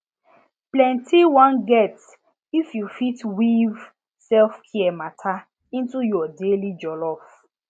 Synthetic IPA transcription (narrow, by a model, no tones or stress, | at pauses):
plɛ̃ntʰiwãnɡɛt | ifjufitwiv | sɛlfkʰiɛmatʰa | ĩntujɔdelid͡ʒɔlɔf